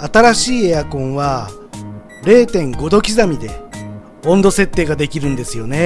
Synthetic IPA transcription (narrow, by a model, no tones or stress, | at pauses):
at̪aɾaɕiːejakõ̞ɰ̃βa | ɾe̞ːt̪ẽ̞ŋɡo̞d̪o̞kʲizamʲid̪e̞ | õ̞nd̪o̞se̞t̪ːe̞ːɡad̪e̞kʲiɾɯ̟̃nd̪e̞sɨjo̞ne̞